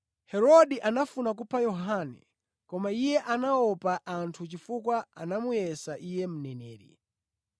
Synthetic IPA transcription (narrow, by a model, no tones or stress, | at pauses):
hɛɾɔɗiʔanafunak̬upʰajɔɦanɛ̰ | kɔmaijɛʔanaɔpaʔantʰut͡ʃifukwaanamujɛsaʔijɛm̩nɛnɛːɾḭ